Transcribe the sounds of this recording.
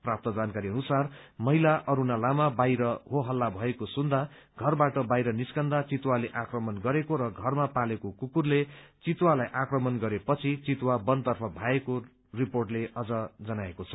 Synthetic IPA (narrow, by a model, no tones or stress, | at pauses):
prap̚t̪ʌd͡zankaɾiʌnusarmʌɦilaʔʌɾunalamabajɾʌɦoɦʌlːabʱʌekosund̪a | ɡʱʌrbaʈʌbajɾʌniskʌnd̪at͡sit̪waleʔakrʌmʌnɡʌɾekoɾʌɡʱʌrmapalekokukurlet͡sit̪walajʔakrʌmʌnɡʌɾepʌt͡sʰit͡sit̪wabʌnt̪ʌrpʰʌbʱaeko | riporʈleʌd͡zʌd͡zʌnaekot͡sʰʌ̥